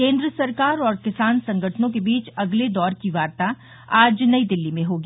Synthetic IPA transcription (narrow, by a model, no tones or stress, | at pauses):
kẽːnd̪ɾəsɐɾkaːɾɔːɾkɪsaːnsɐ̃ŋɡʱəʈʰnõkebiːt͡ʃɐɡled̪ɔːɾkiʋaːɾt̪a | aːd͡ʒnɐid̪ɪlːimẽɦoːɡiː